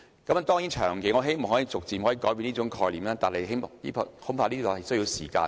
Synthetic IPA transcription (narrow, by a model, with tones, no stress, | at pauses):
kɐ˨˥m˨˧t̪ɔː˥ŋji˨˥nt͡ʃʰœː˨˩ŋke˨˧˥ŋɔː˨˧ɦe˥jm̩˨˩ŋɦɔ˨˥jiː˨˧t͡sʊ˨k̚t͡siː˨˩mɦɔː˨˥ji˨˧kɔː˨˥jp̬iː˨˧niː˥ʊ˨˥ŋkʰɔː˧jliː˨˩mlaː˥t̪aː˨nɦe˨˩ɦe˥jliː˥pʰːho˨˥pʰaː˧niː˥t̪ɔː˨˩hɐ˨˩jsɵ˥ɥji˧wsḭː˨˩ka̰ː˧